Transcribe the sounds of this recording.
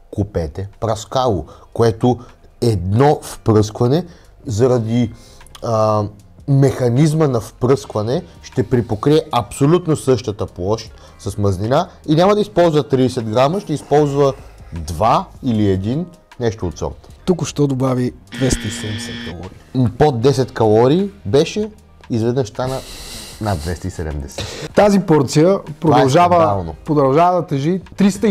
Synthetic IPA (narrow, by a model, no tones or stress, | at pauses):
kʊpɛt̪ɛpɾɐskalˠo̰koɛt̪o | ɛd̪nɔfpɾɤskvɐnɛ | zɐɾɐd̪i | mɛxɐnizmənɐfpɾɤskvɐnɛʃt̪ɛpɾipokɾiɛɐpsolʲut̪nosɤʃt̪ət̪əplˠɔʃt̪ | sɐsmɐzninainʲamɐd̪ɐispɔlˠzvɐt̪ɾiɛsɛd̪ɡɾaməʃt̪ɛispɔlˠzvəd̪vailiɛd̪in | nɛʃt̪oːt̪sɔ̰t̪t̪ukʊʃt̪ɔd̪obavid̪vɛst̪əisɛd̪ɛmd̪ɛsɛt̪kɐlˠɔ̰ɾḭːpod̪ːɛsɛt̪kɐlˠɔɾiːbɛʃɛ | izvɛd̪nəʃst̪anənad̪vɛst̪əisɛd̪ɛ̰md̪ɛsɛt̪t̪azipɔɾt̪sijəpɾovaɐlˠʒavəalˠnopɾod̪ɐlˠʒavəd̪ɐt̪ɛʒit̪ɾist̪ə